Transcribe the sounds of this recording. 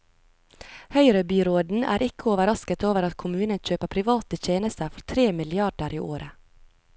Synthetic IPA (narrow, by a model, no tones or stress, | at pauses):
hœʏɾəbyːɾoːd̪n̩æ̰ːɾʔɪkʰəoːʋəɾɑskət̪oːʋəɾɑt̪kʰʊmʉːnənçøːpəpʰɾɪʋɑːt̪əçeːnəst̪əɾfɔɾt̪ʰɾeːmɪlɪɑɖəɾʔḭːʔoːɾə